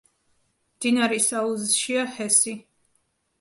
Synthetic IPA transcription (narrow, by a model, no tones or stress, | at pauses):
md̪̥inaɾɛsauzʃiahɛsi